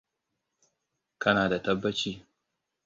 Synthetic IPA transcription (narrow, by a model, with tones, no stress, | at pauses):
kɐ˦naː˨da˨tɐ˦bːɐ˦t͡ʃiː˦